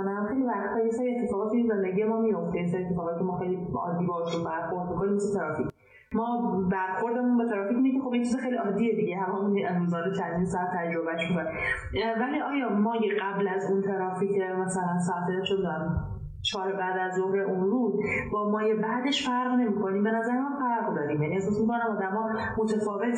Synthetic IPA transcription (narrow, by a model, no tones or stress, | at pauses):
næmmxejlibæɾd̪hʰɒːjesɒːjeet̪ʰːe̞fɒːɣɒːt̪ʰiinzend̪eɟijemɒːmijo̞ft̪ejes̬jet̪ʰːefɒːɣɒt̪icʰemɒːxejliɒ̰ːd̪ːiːbɒːeʃɾunbæɾxoɾd̪mikʰoniːmeset̪ʰæɾɒːfic | mɒːbæɾxo̞ɾd̪emunbet̪ʰæɾɒːfiːcʰinekʲʰexobjet͡ʃʰizexejliɒːd̪ːiːed̪iɟeɦæmːɒunuzɒːd̪et͡ʃʰæzinsɒːæt̪ʰːæd͡ʒɾo̞bæʃmikʰone | væliːʔɒːjɒːmɒːjeɢæblæzunt̪ʰæɾɒːfiːcʰemæsælænsɒæt̪ʰet͡ʃʰonæm | t͡ʃʰɒːɾebæːd̪æzːohɾe̞ʔunɾuːzbɒːmɒːje̞bæːd̪e̞ʃfæɾʁne̞miːkʰo̞niːmbe̞næzæɾemæmfæɾɣd̪ɒːɾiːmjæniesɒːsmikʰo̞næmɒːd̪æmɒː | mot̪ʰefɒːve̞t̪ʰ